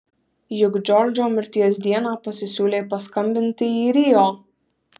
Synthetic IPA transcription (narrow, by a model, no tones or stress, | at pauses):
jʊɡd͡ʒʲɔɾd͡ʒʲoːmʲɪɾʲt̪ʲiɛsd̪ʲiɛnaːpɐsʲɪsʲuːlʲeːpɐskɐmʲbʲɪnʲt̪ʲɪiːɾʲiːoː